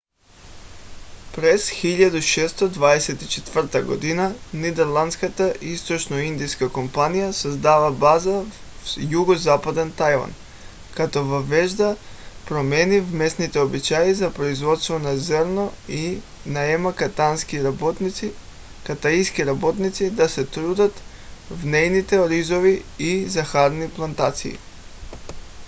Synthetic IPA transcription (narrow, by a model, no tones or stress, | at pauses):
pɾɛsxiʎad̪uʃɛst̪od̪vaɛsɛt̪it͡ʃɛt̪vər̩t̪aɡod̪inanid̪ɛɾlˠant̪skat̪aʔist̪ot͡ʃnoind̪iskakompanijasozd̪avabaza | juɡozapad̪ɛnt̪ajva̰n | kat̪ovəvɛʒd̪a | pɾomɛnivmɛsnit̪ɛobit͡ʃajizapɾoizvɔt̪st̪vɔnazəɾnɔi | naɛmakat̪anskiɾabɔt̪nit̪i | kat̪aiskiɾabɔt̪nit̪sid̪asɛt̪ɾud̪at̪ | vnɛjnit̪ɛoɾizoviizaxaɾniplˠant̪at̪sḭː